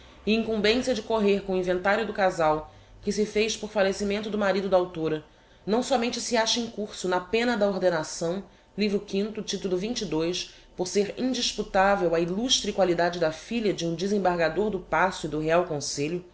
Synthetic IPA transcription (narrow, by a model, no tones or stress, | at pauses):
ɪĩŋkũmbẽsiɐd͡ʒɪkoɦeɾkõʊĩvẽnt̪aɾjʊd̪ʊkazaw | kɪsɪfejʃpoɾfalesimẽnt̪ʊd̪ʊmaɾid̪ʊd̪ɐawt̪oɾɐ | nɐ̃w̃sɔmẽnt͡ʃɪsiaʃɐẽŋkuɾsʊnɐpẽnɐd̪ɐoɾd̪enasɐ̃w̃ | livɾʊkĩnt̪ʊt͡ʃit̪ulʊvĩt͡ʃid̪ojs | poɾseɾĩnd͡ʒiʃput̪avewɐiluʃt̪ɾɪkwalid̪ad͡ʒɪd̪ɐfiʎɐd͡ʒɪũd͡ʒɪzẽbaɾɡad̪oɾd̪ʊpasʊɪd̪ʊɦeawkõseʎʊ